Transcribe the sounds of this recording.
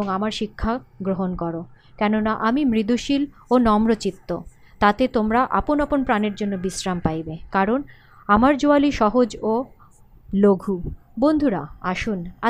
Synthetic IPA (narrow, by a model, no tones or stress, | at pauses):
oŋamaɾʃikʰːaɡɾoɦonkɔɾo | kɛnonaʔamimɾid̪uʃil | onɔmɾot͡ɕit̪ːo̰ | t̪at̪et̪omɾaʔa̰ponaponpɾaneɾd͡ʑonːobisɾampajbekaɾon | amaɾd͡ʑoaliʃɔɦod͡ʑo | loɡʱu | bond̪ʱuɾa̰aʃuna